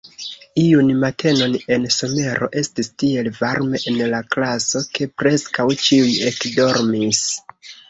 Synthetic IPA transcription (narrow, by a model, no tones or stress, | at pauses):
iunmatʰe̞no̞ne̞nso̞me̞ɾo̞̰ʔe̞stistie̞lvaɾme̞ʔenlaklaso̞ke̞pɾe̞skawt͡ʃiuje̞kdo̞ɾmis